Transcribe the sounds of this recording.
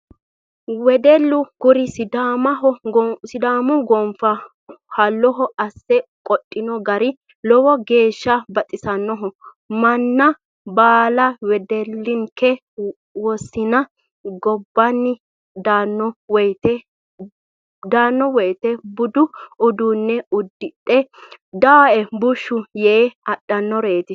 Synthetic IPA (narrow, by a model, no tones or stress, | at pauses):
wɛd̪ɛlːʊɡ̥ʊɾɪsɪd̪aːmɐɦɔsɪd̪aːmʊɡɔmfɐ | hɐlːɔɦɔɐsːɛkʼɔtʼːɪnɔɡɐɾɪ | lɔwɔɡe̞ːʃːɐbɐt̪ʼɪsɐnːɔɦɔ | mɐnːɐ | baːlɐwɛd̪ɛlːɪŋkʰːɛ | wɔsːɪnɐ | ɡɔbːɐnːɪ | d̪aːnːɔwɛjt̪ɛ | d̪aːnːɔwɔjt̪ɛbʊd̪ʊʊd̪uːnːɛʊd̪ːɪtʼːɛ | d̪aːɛbʊʃːʊjɛɐɗːɐnːɔɾeːt̪ɪ